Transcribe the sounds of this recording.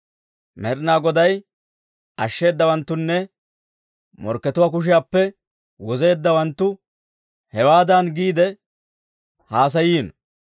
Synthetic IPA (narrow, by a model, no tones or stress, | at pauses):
mɛɾnaːɡɔd̪ɐj | ʔɐʃːe̞ːd̪ːɐwɐnt̪ːʊnːɛ | mɔ̰ɾkːɛt̪ʊwaːk̬ʊʃ̬ɪjaːpːɛ | wɔze̞ːd̪ːɐwɐnt̪ːʊ | hɛwaːd̪ɐnɡiːd̪ɛ | haːs̬ɐjiːn